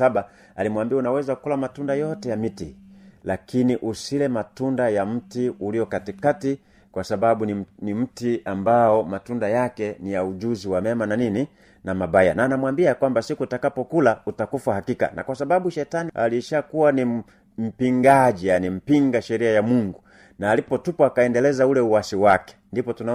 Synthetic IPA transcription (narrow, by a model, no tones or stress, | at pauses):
aba | alimwambiaunawɛzakukulamatundajɔtɛjamitilakiniʔusilɛmatundajam̩tiuliɔkatikati | kwasababunim̩tiambaɔmatundajakɛnijaud͡ʒuziwamɛmananini | namabaja̰naːnamwambiakwambasikutakapɔkulautakufwahakika̰nʔa̰kwasababuʃɛtania̰liʃakuwani | m̩piŋɡaʄijanim̩piŋɡaʃɛɾiajamuŋɡu | naːlipɔtupɔakaɛndɛlɛzaulɛuwasiwakɛ̥ndipɔtuna